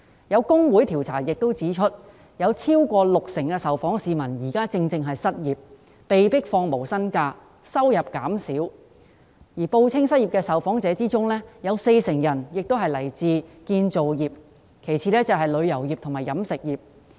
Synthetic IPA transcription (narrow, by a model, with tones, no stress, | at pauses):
jɐ˨˧wkʊ˥ŋwuː˨˥jt̪ʰiː˨˩wt͡sʰa̰ː˨˩jɪ˨k̚t̪o˥wt͡siː˨˥t͡ʃʰɵ˥t̚ | jɐ˨˧wt͡sʰiː˥wkʷɔː˧lʊ˨k̚sɪ˨˩ŋkɛː˧sɐ˨˩wfɔː˨˥ŋsiː˨mɐ˨˩njiː˨˩kaː˥t͡sɪ˧ŋt͡sɪ˧ŋɦɐ˨jsɐ˥t̚jiː˨p̚ | pe˨jpɪ˥k̚fɔː˧ŋmo˨˩wsɐ˥nkaː˧ | sɐ˥wjɐ˨˩p̚kaː˨˥msi˨˥w | jiː˨˩po˧wt͡sʰɪ˥ŋsɐ˥t̚jiː˨p̚kɛː˧sɐ˨wfɔː˨˥ŋt͡sɛː˨˥t͡siː˥t͡sʊ˥ŋlɛː˥jɐ˨˧wse˧jsɪ˨˩ŋjɐ˨˩njɪ˨k̚t̪o˥ɦɐ˨jlɐ˨˩jt͡siː˧kiː˧nt͡so˨wjiː˨˩p̚ | kʰe˨˩jt͡sʰiː˨lɛː˥t͡sɐ˨wɦɐ˨jlɵ˨˧ɥjɐ˨˩wji˨p̚t̪ʰʊ˨˩maː˨˩jɐ˨˥msɪ˨k̚jiː˨˩p̚